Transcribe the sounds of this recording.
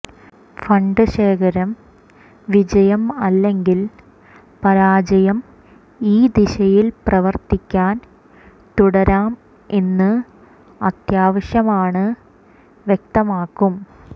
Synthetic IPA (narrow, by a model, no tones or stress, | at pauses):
fɐɳɖɨɕe̞ːkʰɐɾɐm | ʋid͡ʑɐjɐmɐlːe̞ŋɡil | pɐɾaːd͡ʑɐjɐm | iːd̪iɕɐjilprɐʋɐrt̪ikʲːaːn | t̪uɽɐɾaːm | e̞nːɨ | ɐt̪jaːʋɐɕjɐmaːɳɨ | ʋjek̚t̪ɐmaːkːum